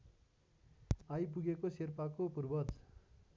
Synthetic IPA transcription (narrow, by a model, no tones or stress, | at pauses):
ajp̬uɡekoserpakopurbʌd͡z